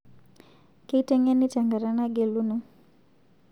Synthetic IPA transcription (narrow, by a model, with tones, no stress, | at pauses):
ke˦i˦tɛ˦ŋɛ˦ni˦tɛ˨ŋɡa˨ɾa˨na˦ɡe˨lu˦nu˦